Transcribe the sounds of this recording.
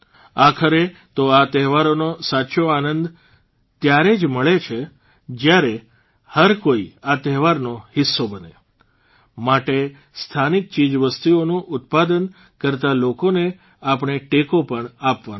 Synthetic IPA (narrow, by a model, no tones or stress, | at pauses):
akʰəɾet̪oat̪ɛɦʋaɾonosatːʃoanənd̪ | t̪jaɾed͡ʒməɭet͡ʃʰe | d͡ʒjaɾe | həɾkoiat̪ɛɦʋaɾnohɪsːobənḛ | maʈe | st̪ʰanik̚t͡ʃid͡ʒʋəst̪ionũʔʊt̪̚pad̪ən | kəɾt̪alokone | apəɳ̃eʈekopəɳapʋan